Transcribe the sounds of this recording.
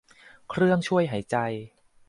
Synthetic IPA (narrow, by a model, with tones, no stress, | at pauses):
kʰɾɯ˥˩əŋt͡ɕʰu˥˩əjɦa˩˦jt͡ɕa˧j